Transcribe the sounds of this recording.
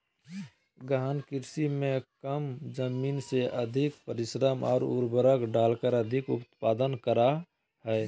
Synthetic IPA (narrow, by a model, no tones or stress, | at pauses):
ɡaɦənkɪɾsimẽkəmd͡ʒəmiːnseʔəd̪ʱɪkpəɾɪsɾəmɔ̰ːɾṵɾbəɾəkɖaːlkəɾəd̪ʱɪkʊ̰pt̪paːd̪ənkəɾa | ɦɛː